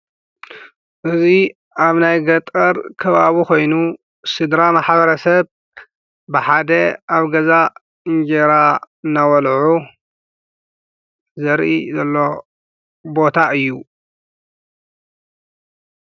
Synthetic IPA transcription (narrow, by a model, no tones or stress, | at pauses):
ʔɨzi | aβnajɡɐt̪ʼɐɾkʰɐβaβikʰo̞jnu | sɨd̪ɾamaħbɐɾɐsɐβ | bɨħad̪ɐʔaβɡɐza | ɨŋɡeɾa | nawɐlʕu | zɐɾʔḭzɐlːo̞ | bo̞t̪ʰaɨjːu